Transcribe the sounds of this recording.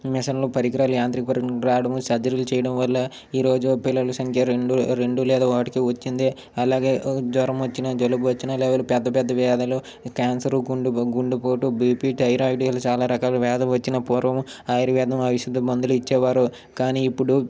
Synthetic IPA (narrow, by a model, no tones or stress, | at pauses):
mɛsɐnloːpɐɾikɾaːlujaːnt̪ɾikpɐɾɾaːɐɽɐmusɐd͡ʒɐɾilut͡ʃɛːjɐɽɐmʋɐlːɐ | iːɾo̞ːd͡ʒupilːɐlɐsɐŋkʰjɐeɳɖuɾeɳɖulɛːd̪aːɔkɐʈi̥kiːʋɐt͡ʃːind̪eː | ɐlaːɡeːd̪ʋɐɾɐmʋɐt͡ʃːinɐd͡ʒolubuʋɐt͡ʃːinaːlɛːʋɐlupɛd̪ːɐpɛd̪ːɐʋɛːd̪ɐlu | kaːnsɐɾuɡɳɖuɡuɳɖupoːʈubiːpiːʈɐjɾaːjiʈiɐlɐt͡ʃaːlaːɾɐkaːluʋɛːd̪ɐmʋɐt͡ʃːinɐpuːɾʋɐmaːjɾiʋjɛːd̪ɐmɐʋiʃud̪ːɐbɐnd̪uluit͡ʃːɛːʋaːɾu | kaːniːpːuɽu